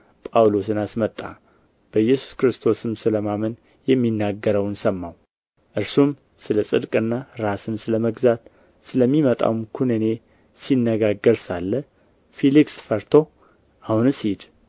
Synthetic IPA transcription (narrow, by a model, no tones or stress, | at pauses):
pʼawlosɨnasmət̪ʼːa̰ | b̥əjɛsu̥skɾɨst̪ʰo̞sɨmsɨləmamən | jɛmːinːaɡːəɾəwnsəmːaw | ʔɨɾsum | sɨləsʼɨd̪kʼɨnːaɾasɨnsɨləməɡzat̪ | sɨləmːimət̪ʼa̰wmkʰunɨne̞ | sinːəɡaɡːəɾsalːə | feliksfəɾt̪ʰo̞ | ʔahunɨsid̪